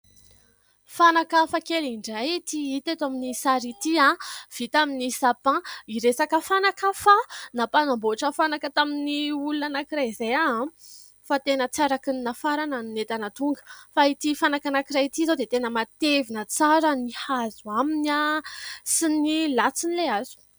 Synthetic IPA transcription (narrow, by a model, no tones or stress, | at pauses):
fanakafakeliɳɖ͡ʐajt̪iit̪et̪aminisaɾit̪iãv̥it̪aminisapãiɾesakəfanakafanapanamboaʈ͡ʂəfanakət̪aminiulunanakiɾazejaã | fat̪enət͡saɾakɨnnafaɾanannet̪anat̪uŋɡə̥fait̪ifanakanakiɾajit̪izad̪et̪enəmat̪evinət͡saɾənihazuaminasinilat͡sinileazu̥